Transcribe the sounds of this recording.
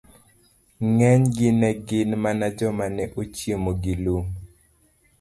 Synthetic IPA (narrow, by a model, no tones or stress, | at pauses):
ŋɛɲɡɪnɛɡɪnmanad͡ʒɔmanɛʔot͡ʃjemoɡiluŋ